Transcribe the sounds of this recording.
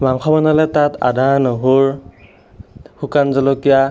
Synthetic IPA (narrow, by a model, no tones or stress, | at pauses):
baŋkʰɔbanalɛtatʰa̰danɯɦuɹ | hukanzɔlɔkija